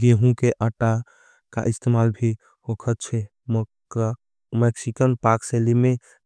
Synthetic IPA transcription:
ɡeɦũkeʔəʈa | ka̰ʔist̪emaːlbʱi | hokʰət̪̚t͡ʃʰɛ | mɛksikənpaɾkselimẽ

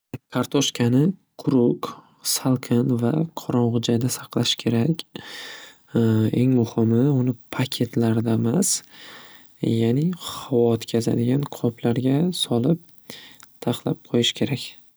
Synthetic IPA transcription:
kʰaɾt̪ʰoʃkʲʰanɪqʰʊɾʊk | salˠkʲʰɪnva̰qʰɒɾɒɴʁʊd͡ʒajd̪asɑqlˠaʃkʲʰe̞ɾakʲ | e̞ŋmʊhɪmɪʊnɪpʰakʲʰe̞t̪ʰlaɾd̪amas | janɪhawɒt̪kʲʰaza̰d̪ɪɡʲanqʰɒpʰlaɾɡʲasɒlˠɪp̚ | t̪ʰaχlap̚qʰojɪʃkʲʰe̞ɾakʲ

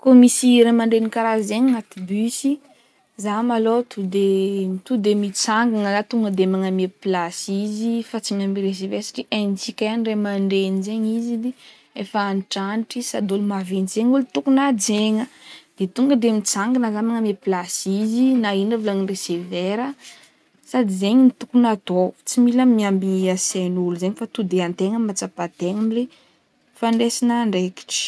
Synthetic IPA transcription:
komisiɾemaɳɖ͡ʐenikaɾazeɲŋat̪ibysi | zamalot̪ʰud̪emt̪ud̪emit͡saŋɡanəzat̪uŋɡəd̪emaŋamepilasizifat͡siɲamiɾes̬eveɾsḁʈ͡ʂiʔant͡sikʲajanremaɳɖ͡ʐenzeɲizid̪e | efaaniʈ͡ʂaniʈ͡ʂisad̪olumavenzeɲulit̪ukunad͡zeɲəd̪̥et̪uŋɡəd̪emit͡saŋɡinəzamaŋəmeplasizinainavlanireseveɾə | sad̪izeɲinit̪ukunad̪ot͡similamiambiasenuluzeɲifat̪ud̪eant̪eŋəmat͡sapat̪eŋamile | faɳɖ͡ʐesinaɳɖ͡ʐeki̥ʈ͡ʂi̥

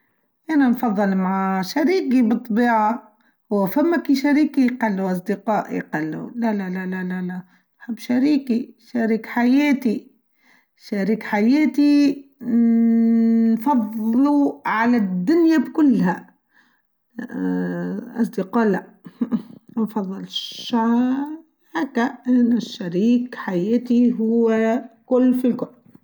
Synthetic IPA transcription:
ʔananfɑðˤːɨlmaʕaʃaɾiːkibɨt̪ˤːbiːʕa | hʊwːfamːækiʃaɾiːkijqɑlːuʔɑs̬ˤd̪ɪqɑːʔj̰qɑlːṵlælælælælælæ | nħɪbːʃaɾiːkiʃaɾiːkħajɛːt̪i | ʃaɾiːkħajɛːt̪i | nfɑðˤluʕalad̪ːʊnjabkʊlːha | ʔɑ̰s̬ˤd̪ɪqɑːla | nfɑðˤːɨlʃ | hakːaʔɪnːʊʃːaɾiːkħajæːt̪iɦʊwːkʊlːfilkʊlː

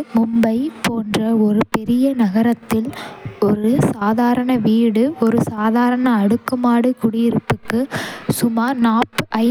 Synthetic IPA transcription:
mʊmbɐɪpoːndrɐɔɾɯpɛɾɪjɐnɐɣɐɾɐt̪ːɪlɔɾɯsaːðaːɾɐɳɐʋiːɽɯɔɾɯsaːðaːɾɐɳɐːɽɯkːɯmaːɽɯkʊɽɪjɪɾɯpːɯkːɯsʊmaːnaːpːʔɐɪ

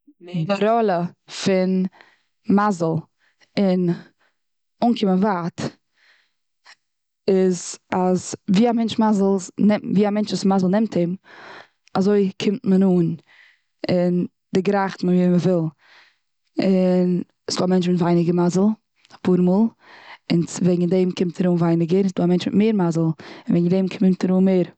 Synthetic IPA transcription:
dɪɾɔlˠəfɪn | mazl̩ˠ | ɪn | uːnkʰɪmənvaːt | ɪzazviːamɛnt͡ʃmazl̩ˠnɛviːamɛnt͡ʃvuːsmazl̩ˠnɛmtʰɪm | azoɪkʰɪmtmənuːn | ɪn | d̥ɪɡɾaχtmənviːməvɪlˠ | ɪn | sd̥oːamɛnt͡ʃmɪtvaɪnɪɡəɾmazəl̩ˠ | ḁpʰuːɾmuːlˠ | ɪnsvɛɡŋ̩dɛɪmkʰɪmtaɾuːnvaɪnɪɡəɾɪsduːamɛnt͡ʃmɪtmeːɾmazəl̩ˠɪnvɛɡŋ̩dɛmkʰɪmtʰaɾuːnmeːɾ

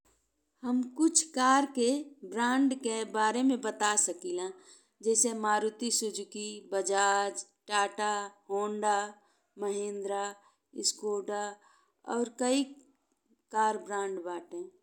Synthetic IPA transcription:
həmkʊt͡ʃʰkaːɾkebɾãːɳɖkebaːɾemẽbət̪asəkilã | d͡ʒɛːsemaːɾut̪isʊd͡ʒkibəd͡ʒaːd͡ʒʈaːʈaɦoːɳɖa | məɦẽːnd̪ɾa | ɪskoːɖa | ɔːɾkəi | kaːɾbɾãːɳɖbaːʈẽː

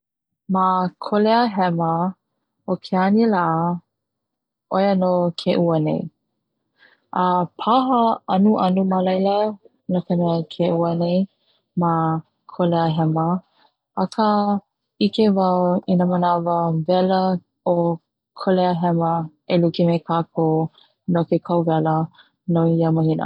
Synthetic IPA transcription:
makʰoleəɦɛmə | okʰeanilaʔ | ʔojənokʰeʔuənḛj | ʔəpʰaɦəɐnuʔɐnuməlɐjlə | nəkʰəmɛəkʰeʔuənej | ma | kʰoleəɦɛmə | ɐkʰə | ikevɐwinəmənavəvɛlə | o | kʰoleəɦɛmə | elukimekʰakʰo | nokekʰɐwvɛlə | noijaməhinə̰

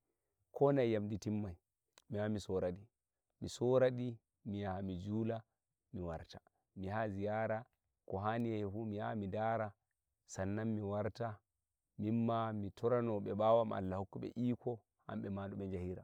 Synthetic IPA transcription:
kʰɔnajːamditimːaj | mihamisɔɾaɗi | misɔɾaɗi | miamid͡ʒuːla | miwaɾtḁ | mihazijaɾa | kɔɦaniɛfumiha̰midaːɾa | sanːammiwaɾta | mimːamitɔɾanɔɓɛɓawama̰lːahokːuɓɛ̰ʔiːkʰɔ | ha̰mɓɛmandɔɓɛnd͡ʒahiɾa

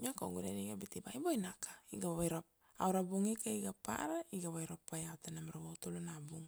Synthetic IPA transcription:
ɲakoɡuɾeɾiɡabitibajbojnakʰḁiɡaββajɾap | awɾabuŋikaiɡapa̰ɾaiɡaβajɾopːajawtanamaɾawawtolonabuŋ

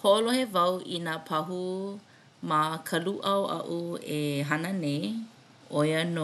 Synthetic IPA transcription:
holohevɐwʔinaːpʰɐɦu | makʰɐluʔɐwʔɐ̰ʔueɦanənej | ojəno

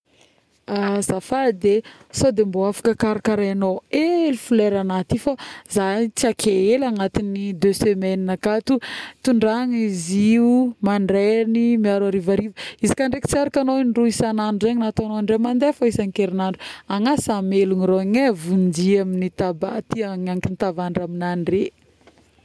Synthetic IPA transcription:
azafad̪e | sod̪emboafḁkəkaɾakaɾajanoelifuleɾanat̪ifazanit͡siakʰeelaŋat̪inid̪øsemɛninakat̪ut̪uɳɖ͡ʐaŋiziumaɳɖ͡ʐɛnimiaɾwaɾivaɾivəizikaɳɖ͡ʐeki̥t͡saɾakanoinɖ͡ʐuisanaɳɖ͡ʐuzeɲinat̪anoaɳɖ͡ʐemand̪efaisaŋkeɾinaɳɖ͡ʐuaŋasameluŋiɾoɲevund͡ʒiaminit̪aba̰t̪iaŋaŋkinit̪avaɳɖ͡ʐaminaɳɖ͡ʐe

